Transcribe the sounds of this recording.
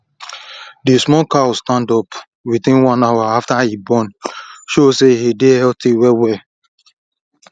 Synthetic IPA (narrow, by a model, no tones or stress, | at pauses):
dismɔkastãndɔp | witĩnwãnawaaftahibɔ̃nʃosehidehɛltiwɛwɛ